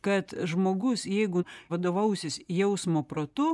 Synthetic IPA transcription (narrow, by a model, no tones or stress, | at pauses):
kɐt̪ʒmoːɡʊsjɛɪɡʊʋɐd̪oːʋɐʊsʲɪsjɛʊsmoːpɾoːt̪ʊ